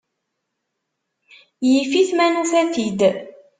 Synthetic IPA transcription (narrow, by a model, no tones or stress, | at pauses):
jifiθmænuθæθid̪